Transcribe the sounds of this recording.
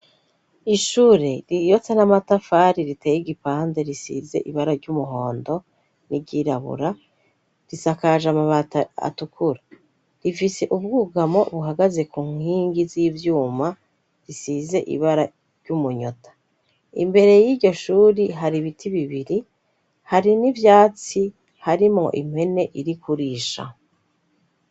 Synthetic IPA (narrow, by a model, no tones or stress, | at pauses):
iʃuːɾe̞ɾijo̞t͡senamatafaɾiɾiteːjiɡipaːnze̞ɾisḭze̞̰ʔḭβaɾaɾɟumuɦo̞ːndo̞ | niɟiɾaβṵɾa | ɾisakaʒamaβataa̰tukʰuɾa | ɾifise̞ʔub̚ɡuːɡamo̞βuɦaɡaze̞kuːŋhiːŋɡiziːvjuːma | ɾisize̞ʔḭβaɾa | ɾɟumuɲo̞tʰḁ | ḭmbe̞ɾe̞jiːɾɟoʃuːɾiɦaɾiβitʰiβiβiɾi | haɾinivjaːt͡si | haɾimŋo̞̰ʔim̥he̞ne̞ʔiɾikuɾiːʃa̰